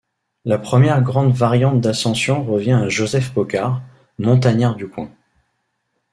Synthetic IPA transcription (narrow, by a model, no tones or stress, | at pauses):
lapχəmjɛʁɡʁɑ̃d̪vaʁjɑ̃t̪̚d̪asɑ̃sjɔ̃ʁəvjɛ̃aʒozɛfpɔkaʁ | mɔ̃t̪aɲɛʁd̪ykwɛ̃